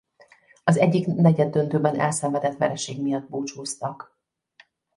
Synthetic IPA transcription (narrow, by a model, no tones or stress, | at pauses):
ɒzɛɟːiknɛɟɛd̪ːø̞nt̪øːbɛnʔɛlsɛɱvɛd̪ɛt̪ʋɛ̰ɾɛʃeːɡmijɒd̪̚boːt͡ʃoːst̪ɒk